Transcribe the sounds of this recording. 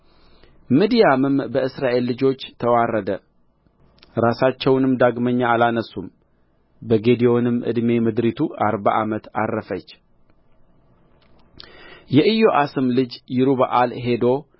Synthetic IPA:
mɨd̪ijamɨmbəɨsɾaʔe̞lːɨd͡ʒo̞t͡ʃːt̪ʰəwarːəd̪ə | ɾasat͡ʃːɛwnɨmd̪aɡməɲːaalanəsum | bəɡe̞d̪ijo̞nɨmʔɨ̰d̪me̞mɨd̪ɾit̪ʰuaɾba̰ʔamət̪a̰rːəfət͡ʃː | jɛʔɨjo̞ʔasɨmlɨd͡ʒjɪɾuβa̰ʔalɦe̞d̪o̞

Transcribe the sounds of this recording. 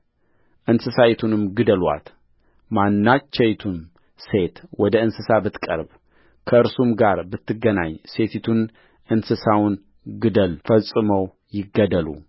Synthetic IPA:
ʔɨnsɨsajt̪ʰunɨmɡɨd̪əlwa̰t̪ | manːat͡ʃːɛjt̪ʰun | se̞t̪wɔd̪əɨnsɨsabɨt̪kʼə̰ɾb | kʰəɨɾsumɡaɾbɨt̪ːɨɡəna̰ɲse̞t̪ʰit̪ʰun | ʔɨnsɨsawʊn | ɡɨd̪əlfəsʼɨməw | jɪɡːəd̪əlṵ

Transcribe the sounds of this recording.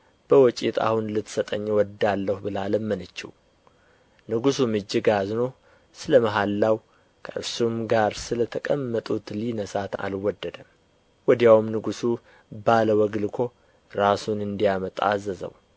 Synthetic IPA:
b̥əwɔt͡ʃʼit̪ʰa̰hunlɨt̪sət̪ʼəɲːwɔd̪alːəhubɨlaləmːənət͡ʃːḭw | nɨɡusumɨd͡ʒːɨɡazno | sɨləməɦalːaw | kʰəʔɨ̰ɾsumɡaɾsɨlət̪ʰəkʼəmːət̪ʼut̪linəsat̪a̰lwɔd̪ːəd̪əm | wɔd̪jawmnɨɡusu | baləwɔɡɨlkʰo̞ | ɾasunɨnd̪ijamət̪ʼa̰ːzəzə̰w

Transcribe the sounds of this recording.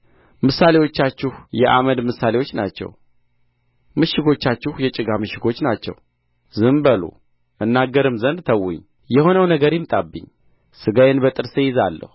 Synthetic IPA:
mɨsalewo̞t͡ʃːat͡ʃːɪhjɛʔa̰məd̪mɨsalewo̞t͡ʃːnat͡ʃːɛ̰w | mɨʃɪɡo̞t͡ʃːat͡ʃːɪhjɛt͡ʃʼɨɡamɨʃɪɡo̞t͡ʃːnat͡ʃːɛ̰w | zɨmbəlṵ | ʔɨnːaɡːəɾɨmzənd̪t̪ʰəwːʊ̰ɲː | jɛho̞nəwnəɡəɾjɪmt̪ʼabːɨ̰ɲ | sɨɡajɛnbət̪ʼɨɾsejɪzalːə̰hu

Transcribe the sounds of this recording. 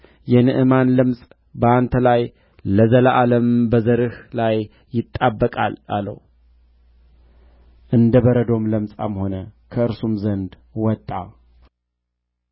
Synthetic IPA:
jɛnɨʔɨmanlɨmsʼ | bəant̪ʰəlaj | ləzələʔaləmbəzəɾɨhlajː | ɪt̪ʼːabːəkʼa̰la̰lə̰h | ʔɨnd̪əβəɾəd̪o̞mləmsʼa̰mho̞nəkʰəɨɾsumzənd̪ | wɔt̪ʼːa

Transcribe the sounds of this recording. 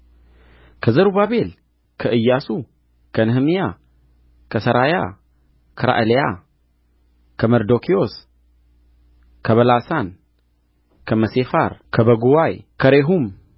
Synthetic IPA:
kʰəzɐɾubaβe̞l | kʰəʔɨjːasu | kʰɐnɨhmija | kʰəsɐɾaja̰ | kʰɐɾa̰ʔɨleja | kʰəmɐɾd̪okʰio̞s | kʰəβɐlasan | kʰəmɐsefa̰ɾkʰəbɐɡuwajkʰəɾeɦum

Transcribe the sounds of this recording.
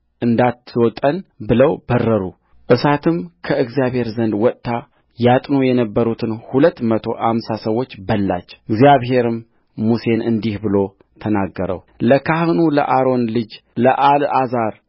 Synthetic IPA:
ʔɨnd̪at̪ʰːwɔt̪ʼːənbɨləwbərːəɾu | ʔɨsat̪ʰɨmkʰəɨɡzijaβhe̞ɾzənd̪wɔt̪ʼːa | jat̪ʼnujɛnəbːəɾut̪ʰɨnhulət̪ːmət̪ʰo̞̰ʔamsasəwːot͡ʃːbəlːa̰t͡ʃːɨɡzjaβɦe̞ɾɨmː | use̞nɨnd̪ihbɨlo̞ | t̪ʰənaɡːəɾə̰w | ləkʰahɨnulə̰ʔaɾo̞nlɨd͡ʒləʔalazaɾ

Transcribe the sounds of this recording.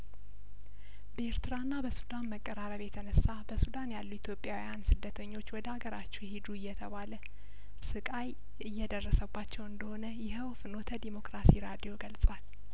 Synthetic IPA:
bəeɾt̪ʰɨɾanːabəsud̪anməkʼːəɾaɾəβjɛt̪ʰənəsːabəsud̪anjalːuit̪ʰjo̞pʼːjawijansɨd̪ːət̪ʰəɲːo̞t͡ʃːwɔd̪əhaɡəɾat͡ʃːɛwhed̪uɨjːɛt̪ʰəβalə | sɨkʼaj | ɨjːɛd̪ərːəsəbːat͡ʃːɛwɨnd̪əho̞nəjɛɦəwfɨnot̪ʰəd̪imo̞kɾasiɾad̪ijo̞ɡəlsʼwal

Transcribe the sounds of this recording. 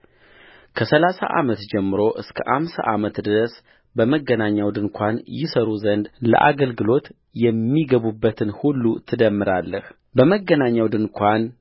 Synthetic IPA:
kʰəsəlasa̰ʔa̰mət̪d͡ʒɛmːɨɾo̞ʔɨskʰə̰ʔamsa̰ʔamət̪d̪ɨɾəs | bəməɡːənaɲːawd̪ɨnkʰʷanjɪsəɾuzənd̪lə̰ʔa̰ɡəlɡɨlo̞t̪ | jɛmːiɡəβubːət̪ʰɨnhulːut̪ʰɨd̪əmːɨɾalːəh | bəməɡːənaɲːawd̪ɨnkʷʰan

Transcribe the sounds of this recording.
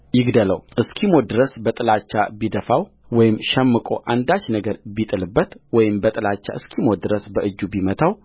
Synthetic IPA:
jɪɡd̪ələ̰wʔɨskʰimo̞d̪ɨɾəsbət̪ʼɨlat͡ʃːabid̪əfaw | wɔjɪmʃɛmːɨkʼo̞̰ʔand̪at͡ʃːnəɡəɾbit̪ʼɨlɨbːət̪wɔjɪmbət̪ʼɨlat͡ʃːa̰ʔɨskʰimod̪ɨɾəsbəʔɨd͡ʒːubimət̪ʰaw

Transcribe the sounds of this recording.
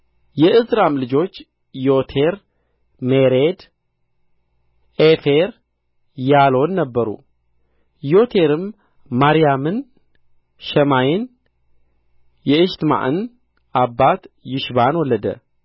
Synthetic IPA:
jɛʔɨzɾamlɨd͡ʒo̞t͡ʃː | jo̞t̪ʰe̞ɾ | meɾed̪ | ʔefeɾ | jalo̞nːəbːəɾṵ | jo̞t̪ʰe̞ɾɨmː | aɾijamɨn | ʃəmajɪn | jɛɨʃt̪ma̰ʔɨn | abːat̪jɪʃbanwɔlːəd̪ə̰

